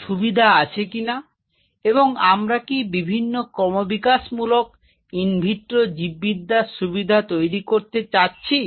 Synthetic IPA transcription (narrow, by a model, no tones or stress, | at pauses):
ʃubid̪ʱaat͡ɕʰekina | eβoŋamɾakibibʱinːokɔmobikaʃmulok | inbʱiʈ̪ɾod͡ʑibːid̪aʃubid̪ʱat̪ojɾikoɾt̪et͡ɕatːɕʰi